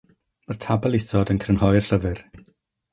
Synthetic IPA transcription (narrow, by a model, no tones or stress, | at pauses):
mərtʰabɛlˠɪsɔdənkʰrənhɔjr̥ɬəvɨr